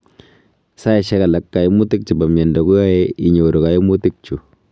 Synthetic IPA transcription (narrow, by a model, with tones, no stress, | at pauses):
sa˦ɛ˨ʃɛ˦ka˨la˨˦kːa˨ji˦mu˦tɪ˦k̚t͡ʃi˨ba˨mjɛ˨nda˨ku˦ja˦ɛ˦i˨ɲo˨ɾo˨ka˨i˦mu˦tɪ˦k̚t͡ʃu˨